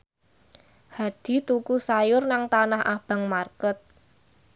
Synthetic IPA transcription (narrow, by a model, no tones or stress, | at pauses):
had̪̥i̤t̪ukusajʊrnaŋt̪anahʔab̥a̤ŋmarkət̪̚